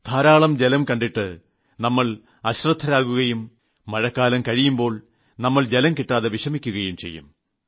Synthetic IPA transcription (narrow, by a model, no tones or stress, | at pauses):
d̪̥ʱaːɾaːɭɐmd͡ʑelɐmkɐɳɖiʈːɨ | nɐmːɐɭ | ɐɕrɐd̪ʰʱːɐɾaːkuɣɐjumː | ɐɻɐkːaːlɐmkɐɻijumbo̞ːɭ | nɐmːɐɭd͡ʑelɐmkiʈːaːðeʋiʂɐmikʲːuɣɐjumt͡ɕe̞̰jːṵm